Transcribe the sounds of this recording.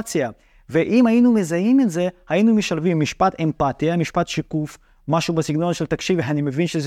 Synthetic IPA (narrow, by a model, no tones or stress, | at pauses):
t͡sja | veʔimajinumezajimetzehajinumeʃalvimːiʃpat̪empat̪ijamiʃpat̪ʃikuf | maʃubasiɡnonʃelt̪akʃivanimevinʃez